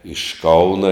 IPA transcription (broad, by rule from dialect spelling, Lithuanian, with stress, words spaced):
ɪʃ ˈkɐʊnɐ